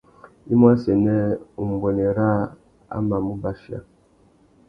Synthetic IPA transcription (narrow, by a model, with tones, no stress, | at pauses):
i˦mwa˦sɛ˨nɛ˦u˨m̩˨bwo˨ne˨ɾa˦ | a̰˦ma˨mu˦ba˨fja̰˦˨